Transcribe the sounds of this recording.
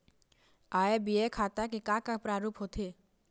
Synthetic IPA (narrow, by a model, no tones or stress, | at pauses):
aːebiekʰaːt̪akikãkapɾaːɾuːpɦot̪ʰeː